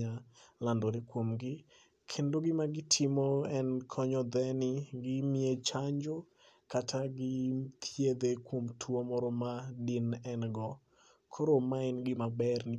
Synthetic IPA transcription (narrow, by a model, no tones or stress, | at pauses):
alandoɾekwomɡɪ | kʰendoɡɪmaɡɪtʰɪmɔɛnkʰɔɲɔd̪ɛnɪɡɪmiet͡ʃaɲd͡ʒo | katʰaɡɪt̪ʰjed̪ekwomtʰwomɔɾɔmadɪnɛnɡɔ | kʰoɾomaɛnɡɪmabɛrnɪ